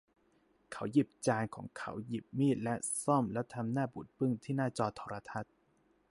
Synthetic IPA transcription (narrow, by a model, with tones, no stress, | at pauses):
kʰa˩˦wji˨˩p̚t͡ɕaː˧nkʰɔː˩˦ŋkʰa˦˥wji˨˩p̚miː˥˩t̪̚lɛ˦˥ʔsɔ˥˩mlɛ˦˥wt̪ʰa˧mnaː˥˩bu˨˩t̪̚pɯ˥˩ŋt̪ʰiː˥˩naː˥˩t͡ɕɔː˧t̪ʰɔː˧ɾa˧t̪ʰa˦˥t̪̚